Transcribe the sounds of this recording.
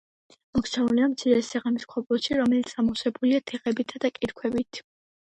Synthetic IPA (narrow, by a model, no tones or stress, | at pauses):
mɔkt̪sʰauliamt̪sʰiɾɛsɛʁamiskʰɔblˠɔʃiɾɔmɛlit̪samɔsɛbuliat̪ʰɛʁɛbit̪ʰad̪akʼiɾkʰwɛbit̪ʰ